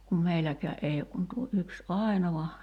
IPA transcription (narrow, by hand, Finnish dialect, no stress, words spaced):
kum meilækæːʔ ʔei ok kun tuo ʔyks ʔɑˑi̞noʋɑ